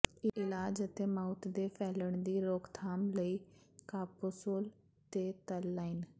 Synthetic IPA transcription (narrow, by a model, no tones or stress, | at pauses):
ɪʔɪlaːd͡ʒət̪eːmaːʊt̪d̪eːpʰɛːləɳd̪iːɾoːkʰt̪ʰaːmləiːkaːposoːl | t̪eːt̪əlːaːin